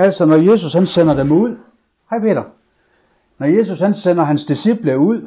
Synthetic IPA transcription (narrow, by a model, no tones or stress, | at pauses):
æl̰sɒnɒje̝ːs̬ushænsenɐd̥emuð̰ˠ | hɑ̈ɪpʰe̝ːɾɐ | nɒje̝s̬ushænsenɐɦænsd̥isib̥ləuð̰ˠ